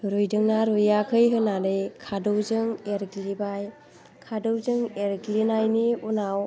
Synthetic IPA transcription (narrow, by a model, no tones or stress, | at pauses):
ɾujdɯŋnaɾujakʰɯjɦɯnanɯjkʰadɯwzɯŋeɾɡlibaj | kʰadɯwzɯŋeɾɡlinajniunaw